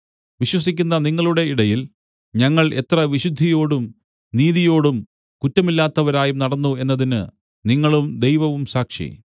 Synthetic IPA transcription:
ʋiɕwɐsikʲːun̪ːɐniŋːɐɭuɽe̞iɽɐjil | ɲɐŋːɐɭe̞̰t̪rɐʋiɕud̪ʱːijo̞ːɽum | niːðijo̞ːɽum | kutːɐmilːaːt̪ːɐʋɐɾaːjumnɐɽɐnːue̞nːɐðinɨ | niŋːɐɭumd̪ejʋɐʋumsaːkʂḭ

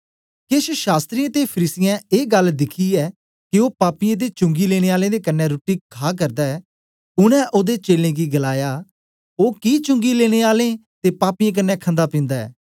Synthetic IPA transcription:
kɪʃʃaːst̪ɾijãːt̪epʰəɾiːsɪjãeːɡəld̪ɪkʰiːɛː | kioːpaːpɪjãːd̪et͡ʃʊ̃ŋɡiːleːɽ̃eːaːlẽːd̪ekɐnːɛ̃ɾʊːʈiːkʰaːk̬əɾd̪aːɛ | ʊñɛ̃ːʔoːd̪eːt͡ʃeːlẽːɡiɡəlaːjaː | oːkit͡ʃʊ̃ŋɡileːɽ̃eːaːlẽːt̪eːpaːpijẽk̬ənːɛːkʰə̃nd̪aːpɪ̃ːnd̪aɛ̰ː

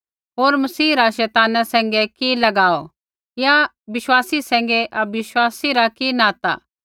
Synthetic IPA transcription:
ɦoːɾmɐsiːɾaʃɛːt̪aːnasɛ̃ːŋɡɛkilɐɡaːo | ja | bɪʃwaːsisɛ̃ːŋ̆ɡɛʔɐbɪʃwaːsiɾakinãːt̪a̰ː

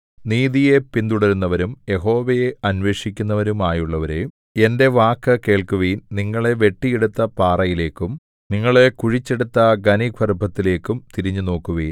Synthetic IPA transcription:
niːðije̞pind̪uɽɐɾunːɐʋɐɾumje̞ɦo̞ːʋɐjeɐnʋe̞ːʂikʲːunːɐʋɐɾumaːjuɭːɐʋɐɾe̞̰ | e̞nde̞ʋaːkːɐke̞ːɭkuʋiːnniŋːɐɭe̞ʋe̞ʈːijeɽut̪ːɐpaːrɐjile̞ːkːum | niŋːɐɭe̞kuɻit͡ɕːeɽut̪ːɐɡɐniɡʱʋɐrubʱɐt̪ːile̞ːkːumt̪iɾiɲːuno̞ːkːuʋiːn

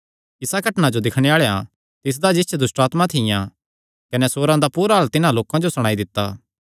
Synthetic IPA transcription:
ɪsaɡɐʈnad͡ʒod̪ɪkʰɽ̃eaːɭja̰ | t̪ɪs̬d̪ad͡ʒɪt͡ʃʰɛd̪ʊsʈaːt̪mãt̪ʰɪjã | kɐnɛsoːɾãd̪apuːɾaɦɐlt̪ɪnãloːkãd͡ʒosɐɽ̃aːid̪ɪt̪ːaː

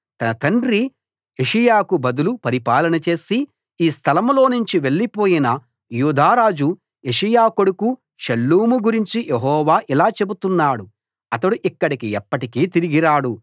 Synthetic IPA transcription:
t̪ɐnɐt̪ɐɳɖɾi | eʂijaːkubɐd̪ulupɐɾipaːlɐnɐt͡ʃe̞ːsi | iːst̪ʰɐlɐmlo̞ːnuɲt͡ʃiʋe̞ɭːipo̞ːjinɐ | juːd̪ʱaːɾaːd͡ʒu | e̞ʂɐjaːkoɽuku | ʃɐlːuːmuɡuɾiɲt͡ʃijʔeɦɔːʋaːʔilaːt͡ʃebut̪unːaːɽu | ɐt̪ɐɽuʔikːɐɽikiɛpːɐʈikiːt̪iɾiɡiɾaːɽu

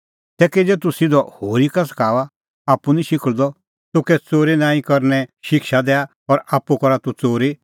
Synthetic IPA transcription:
t̪ɛːkɛd͡ʒɛt̪usɪd̪ɔhoːɾikas̬ɐ̥kʰaːʋa | aːpːunĩʃɪkəɭd̪ɔ | t̪ʊkɛt͡soːɾinãːĩkɔɾnɛʃɪkʃad̪ɛːa | ɔɾaːpːukɔɾat̪ut͡soːɾi

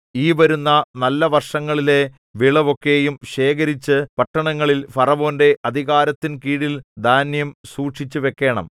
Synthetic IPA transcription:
iːʋɐɾunːɐnɐlːɐʋɐrʂɐŋːɐɭile̞ | ʋiɭɐʋo̞kːe̞jumɕe̞ːɣɐɾit͡ɕːɨpɐʈːɐɳɐŋːɐɭilfɐrɐʋo̞ːnde̞ʔɐd̪ʱiɣaːɾɐt̪ːinkiːɽild̪ʱaːnjɐmsuːʈʂit͡ɕːuʋe̞kːe̞ːɳɐ̰m

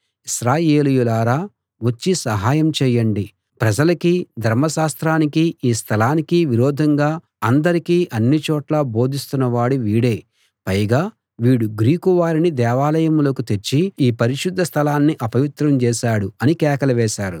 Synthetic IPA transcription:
iʃɾaːjeːlujulaːɾaː | ʋot͡ʃːisɐɦaːjɐmt͡ʃɛːjːɐɳɖi | pɾɐd͡ʒɐlɐkid̪ʱɐɾmɐʃaːst̪ɾaːnikiiːst̪ʰɐlaːnikiʋiɾɔːd̪ʱɐŋɡaː | ɐnd̪ɐɾikiːʔɐnːit͡ʃɔːʈlaːbo̞ːd̪ʱist̪unːɐʋaːɽuʋiːɽe̞ː | pɐjɡaː | ʋiːɽuɡɾiːkuʋaːɾinid̪ɛːʋaːlɐjɐmlo̞ːkut̪e̞ɾt͡ʃːiiːpɐɾiʃud̪ʱːɐst̪ʰɐlaːnːiʔɐpɐʋit̪ɾɐmt͡ʃɛːʃaːɽuɐnikɛːkɐlɐʋɛːʃaːɾu

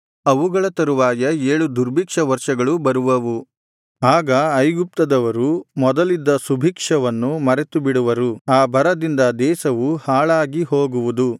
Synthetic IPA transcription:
ɐʋuɡɐɭɐt̪ɐɾuʋaːjɐeːɭud̪uɾbʱikʂɐʋɐɾʂɐɡɐɭubɐɾuʋɐʋu | aːɡɐɐjɡup̚t̪ɐd̪ɐʋɐɾumɔd̪ɐlid̪ːɐsubʱiːkʂɐʋɐnːumɐɾet̪ubiɽuʋɐɾuaːbʱɐɾɐd̪ind̪ɐd̪ɛːsɐʋuhaːɭaːɡiɦo̞ːɡuʋud̪u

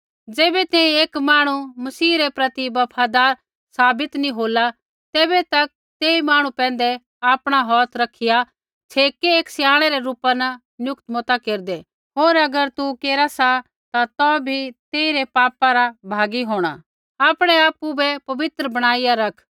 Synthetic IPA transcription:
d͡zeːbɛt̪ɛ̃ĩeːkmaːɽ̃umɐsiːɾepɾɐt̪ibɐpʰad̪aːɾ | saːbɪt̪nĩɦoːla | t̪eːbɛt̪ɐk̚ | t̪eːimaːɽ̃ũpɛ̃ːnd̪ɛ | aːpɽ̃aɦɔːt̪ʰɾɐkʰːɪja | t͡ʃʰeːkeeːksjãːɽ̃ɛɾɛɾuːpanɐ | njʊkt̪mɔt̪akeːɾd̪e | ɦoːɾɐɡəɾt̪ukeːɾasa | t̪at̪ɔ̃bʱit̪eːĩɾepaːpaɾabʱaːɡiɦoːɽ̃a̰ | aːpɽ̃eaːpːubɛpɐʋɪt̪ɾəbɐɽ̃aːɪjaɾɐkʰ

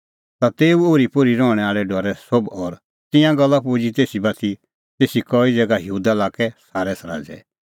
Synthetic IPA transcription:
t̪at̪eːuoːɾipʊɾiɾɔːɽ̃ɛaːɭɛɖɔɾɛsobɔːɾ | t̪ɪ̃jãɡɐlːapud͡ʒit̪eːsibɐt̪ʰi | t̪eːsikɔːid͡zɛːɡajuːd̪alaːkɛsaːɾɛsaɾa̰ːd͡zɛ̰

